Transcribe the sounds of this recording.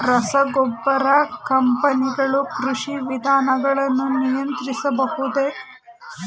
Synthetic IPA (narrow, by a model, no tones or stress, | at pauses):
ɾɐsɐɡɔbːɐɾakɐmpɐniɡɐɭukɾuʂiʋid̪ʱaːnɐɡɐɭɐnːunijɐnt̪ɾisɐbɐhud̪e